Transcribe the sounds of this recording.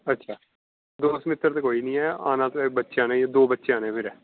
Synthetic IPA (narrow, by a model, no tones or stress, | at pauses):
ətːʃʰaː | d̪oːsmɪt̪ːəɾt̪ekoːiːnĩːɛːaːnãːt̪oɛːbətːʃãːnãd̪oːbətːʃeãːnẽːpʰɪɾɛː